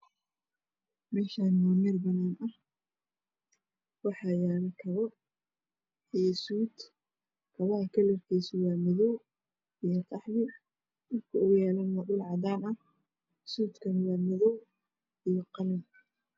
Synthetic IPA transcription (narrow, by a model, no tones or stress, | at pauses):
mɛːʃaːnmʊːmɪrbɐnaːnɐh | wɑħɑːjaːlkʰɐβɔ | ijsuːd̪ | kʰɐβɐhɐkʰɐlɛrkʰɛːswaːmɪðɔw | ijɔqʰɑħβɪ | mɪrkʰʊɔɣʊjaːlɐnɔɗʊlʕɑd̪aːnɐ | suːd̪kʰɐnwaːmɪðɔw | ijɔqɑlɪn